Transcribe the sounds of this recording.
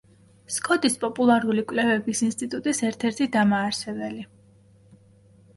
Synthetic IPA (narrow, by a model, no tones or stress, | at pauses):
skʼɔt̪ʼispʼɔpʼulˠaɾulikʼwlɛvɛbisinst̪ʼit̪ʼut̪ʼisɛɾt̪ʰɛɾt̪ʰid̪amaːɾsɛbɛli